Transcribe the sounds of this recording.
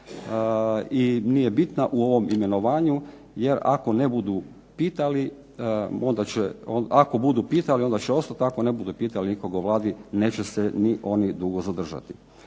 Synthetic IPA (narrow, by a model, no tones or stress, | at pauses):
inijebit̪naʔuo̞ʋo̞mime̞no̞ʋaːɲu | jeɾa̰ko̞nebud̪u | piːt̪ali | ond̪at͡ɕeonako̞bud̪upiːt̪alio̞nd̪at͡ɕeosat̪akonebud̪upiːt̪alinikoɡaoʋlˠaːd̪ine̞ːt͡ɕeseniʔo̞nid̪uɡo̞zad̪r̩ʒa̰t̪i